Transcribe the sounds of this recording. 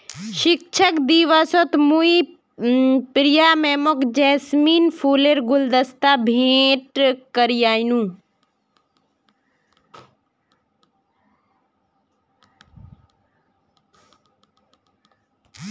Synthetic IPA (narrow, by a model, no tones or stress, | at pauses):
ʃɪk̚t͡ʃʰəkd̪iʋasot̪mui | pɾijamɛːmokd͡ʒɛːsmiːnpʰuːleɾɡʊld̪əst̪abʱẽːʈkəɾijaːnũː